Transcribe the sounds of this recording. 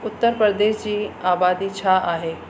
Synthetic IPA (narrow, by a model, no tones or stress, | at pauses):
ʊt̪ːəɾpɾəɾd̪eːʃd͡ʑiːaːbaːd̪it͡ɕʰaaːɦeː